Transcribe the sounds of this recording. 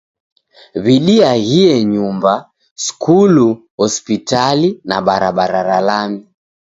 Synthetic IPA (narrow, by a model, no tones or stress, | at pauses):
βiɗiaɣiɛɲumba | skulu | hɔspitalina̰ɓaɾaɓaɾaɾalami